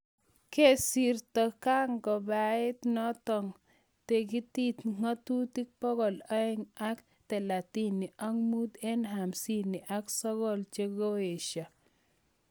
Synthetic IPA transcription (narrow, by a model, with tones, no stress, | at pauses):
ke˦siɾtɔ˨ka˦ŋkɔ˨ba˨ɪ˦t̪nɔ˦tɔ˨ŋ | te˨k̬i˦ti˦t̪ŋa˦tu˦ti˦k̚pɔ˦ɡɔ˨la˦ɛ˦ŋa˦k | t̪ɛ˨la˨ti˦ni˨ʔa˦ŋmu˦t̪e˦nɦa˨msi˦ni˨ʔa˦ksɔ˦ɡɔ˦˨lt͡ʃe˦ɡo˦e˨ʃa˨